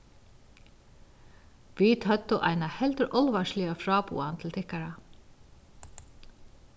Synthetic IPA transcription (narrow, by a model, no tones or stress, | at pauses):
vit̪ʰœt̪ːʏʔa̰jnahɛlt̪ʏɾʔɔlvaʂlɪafɾaːpṵːant̪ʰɪlt̪ʰɪhkaɾa